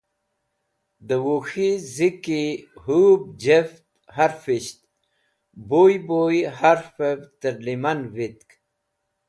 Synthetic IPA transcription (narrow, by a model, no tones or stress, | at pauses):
d̪əwuxizikihub̚d͡ʑeft̪ | haɾfiɕt̪ | bojbojhaɾfebt̪əɾlimanvit̪k